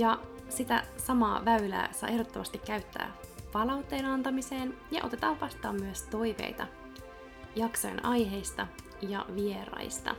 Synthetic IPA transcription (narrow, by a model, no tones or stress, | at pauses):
jɑ | sit̪æ̰sɑmɑ̰ːʋæylæ̰ːsɑ̰jʔehdot̪ːomɑst̪ikːæyt̪ːæ̰ːpɑlɑwt̪ːe̞ːnɑnt̪ɑmise̞ːnjɑ̰ʔo̞t̪e̞t̪ɑːʋʋɑst̪ˑɑːmmyøst̪o̞jʋe̞̰jt̪ɑ | jɑksojenɑjɦe̞jst̪ɑ | jɑ̰ʋie̞ɾɑ̰ist̪ɑ̰